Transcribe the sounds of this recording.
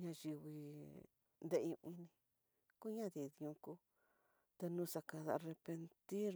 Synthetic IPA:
ɲã˧ʒi˧βi˧ | nd̪e˧ʔũ˧ʔĩ˧nĩ˧ | ku˦ɲã˦ði˨ðɲũ˧ku˦ | t̪e˧nũ˧˦sa˧ka˧ða˧re˧pe˧nt̪i˦

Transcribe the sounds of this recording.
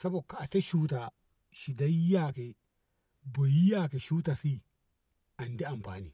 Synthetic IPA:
sa˦bo˨ka˨a˨te˦ʃu˦ta˨ | ʃi˨da˦ji˦ja˦˨ke˨ | bo˨ji˦ja˦ke˨ʃu˦ta˨si˦ | ʔa˨ndi˦a˨mɸa̰ː˨nḭ˨

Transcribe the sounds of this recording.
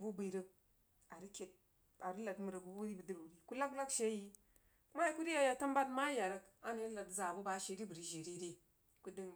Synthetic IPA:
bu˦bi˨ɾə˦k̚ | a˨ɾi˦kʲe˨t̚ | a˨ɾi˦la˨tmu˨ɾə˨ɡu˦bu˦ɾi˦bə˨di˦ɾu˨ɾi˨ku˦la˦kla˦kʃe˦ji˦ | ku˦ma˦ja˦ku˦ɾi˦ja˦ja˨ta˦mba˦tma˦ja˨ɾə˦ka˦ni˦la˨tza˨bu˦ba˨˦ʃe˨˦ɾi˦bu˨ɾi˨ʒe˨ɾi˦ɾi˦ | ku˦di˦ŋ

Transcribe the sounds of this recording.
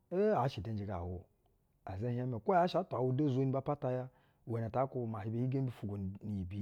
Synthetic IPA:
e˦a˨˦ʃi˨de˨n˦d͡ʒi˨ɡa̰˨wu˨ | a˨ze˦a˦me˨kʷo˦ja˦ʃa˨˦tʷa˨wu˦de˦˨zo˦ni˦ba˦pa˦ta˦ja˦˨ | e˨ne˨ta˨˦ku˨ma˨ɦi˨be˨˦hi˦ɡe˦bi˦fu˨ɡo˨ni˨bi˦

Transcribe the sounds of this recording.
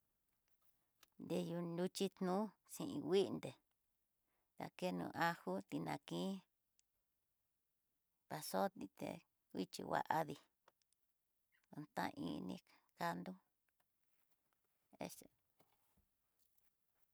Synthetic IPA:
nd̪e˧ju˧nu˧t͡ʃi˦t̪nũ˦sĩ˧ʔĩ˧wi˦ʔnd̪e˨ | ða̰˨ke˦nṵ̃˧ʔa˧hu˦t̪i˧nã˨˧kĩ˦ | pa˨so˦t̪i˧t̪ḛ˧ | i˦t͡ʃḭ˧wa̰˧ʔa˧ði˧ | o˧nt̪ã̰˦˧ʔĩ˧nĩ˧˦ka˦nd̪u˦ | ḛ˦˧se˨

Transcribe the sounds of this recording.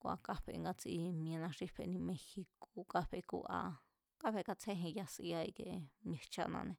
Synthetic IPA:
kʷa̰˧ka˦ɸḛ˧ŋɡa˧t͡si˧mĩ˧ã˧nã˧ʂi˦ɸḛ˧nĩ˧mẽ˧xi˧ko˧ka˧ɸe˧kṵ˧ʔa̰˧ | ka˦ɸe˧ka˧t͡sʰe˦ɦĩ˧ja˧si˧a˧i˧ke˧mẽ˧t͡ʃa̰˧nã˧nẽ˧

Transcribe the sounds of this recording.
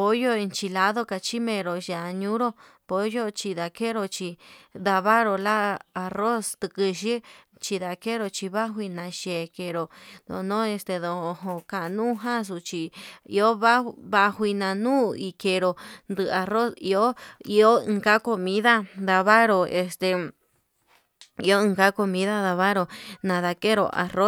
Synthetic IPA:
po˧˦jo˦i˧nt͡ʃi˧la˧˦ðo˦ka˧t͡ʃi˦mẽ˧˨ɾo˨ʃa˨a˧ɲũ˦ɾo˦ | po˧jo˦t͡ʃi˧ða˧ke˦ɾo˧t͡ʃi˧d̪a˧βa˦ɾo˧la˦a˧ro˦st̪ɨ˧kɨ˧ʃi˦ | t͡ʃi˧ða˧ke˦ɾo˧t͡ʃi˧βa˦ɦwi˧nã˧ʃe˨ke˧ɾo˨d̪õ̰˧nõ˦e˧st̪e˧ðõ˨˧ɦõ˧ka˨˧nũ˦ɦã˦s̬u˧t͡ʃi˧ḭ˧o˦βa˦βa˧hʷi˧nã˧nũː˦i˧ke˧ɾo˧nd̪ɨ˧a˧ro˦sḭ˧o˦i˧o˦ɨ̃˧ka˦ko˧mĩ˦ða˦d̪a˧βa˦ɾo˧e˧st̪e˧˨ | i˧o˦ɨ̃˧ŋka˦ko˧mĩ˦ða˦ða˧βa˦ɾo˧nã˧ða˧ke˦ɾo̰˧ʔa̰˨ro˦

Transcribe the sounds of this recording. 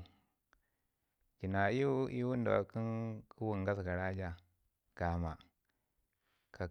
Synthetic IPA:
d͡ʒi˨na˨˦i˦i˦wu˦n˦da˨a̰˨ki˦nku˦wu˨ŋɡa˦sɡa˨ɾa˦d͡ʒa˦ | ɡ̥a˨ma˨ | ka˨

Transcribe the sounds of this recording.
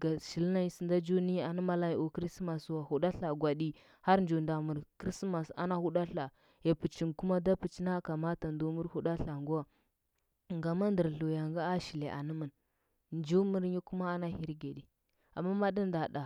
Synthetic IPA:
ɡa˨ʃi˨lna˦ɲi˦si˨nda˦d͡ʒu˦ni˦a˨ni˦ma˦la˦˨o˨kɾi˦sma˨swa˨hu˨ɗa˦ɬa˨ɡʷa˨ɗi˦ | ha˦ɾn˦d͡ʒo˨nda˨mu˨ɾkɾi˦sma˨sa̰˦na˦hu˦ɗa˦ɬa˨ | je˨pu˨t͡ʃi˨nku˦ma˦da˦pu˨t͡ʃi˦na˦ka˨ma˦ta˨ndu˦mu˦ɾhu˦ɗa˦ɬa˨ŋɡu˦wa˨ | ŋɡa˨ma˦ndə˨ɾɬo˨ja˨ŋɡa˦a˦ʃi˨le˨ʔa̰˨nə˦mə˨n | nd͡ʒu˦mu˦ɾɲi˦ku˦ma˦a˦na˦hi˦ɾɡe˨ɗi˨ | a̰˨mːa˦ma˦di˦n˦da˨ɗa˨

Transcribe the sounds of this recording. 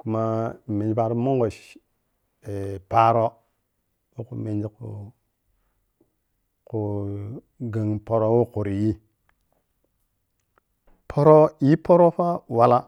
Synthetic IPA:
ku˨ma˦˨me˨d͡ʒi˨pa˨ɾo˦mo˦ŋɡo˨ʃ | e˨pa˦ɾo˦ | wo˦ku˨me˨nd͡ʒi˦ku˨ | ku˨ | ɡa˨ŋpo˨ɾo˦wo˦ku˨ɾi˨ji˦ | pʰo˦ɾo˦i˦po˦ɾo˦fa˦wa˨la˦

